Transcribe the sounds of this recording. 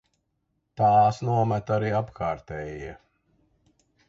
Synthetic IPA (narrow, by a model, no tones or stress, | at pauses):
t̪ɑːsnuɔmæt̪aɾiːapkʰaːɾt̪ɛːjiɛ